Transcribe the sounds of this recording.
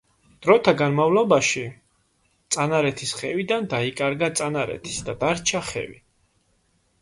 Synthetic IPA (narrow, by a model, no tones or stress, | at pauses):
d̪̥ɾɔt̪ʰaɡanmavlɔbaʃi | t̪sʼanaɾɛt̪ʰisχɛvid̪and̪aikʼaɾɡat̪sʼanaɾɛ̰t̪ʰi̥sd̪ad̪aɾt͡ʃʰaχɛ̰vḭ